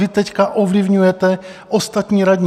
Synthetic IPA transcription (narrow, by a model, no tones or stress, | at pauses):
ɪt̪ɛckaʔovlɪvɲujɛt̪ɛ | ʔost̪at̪ɲiːɾadɲ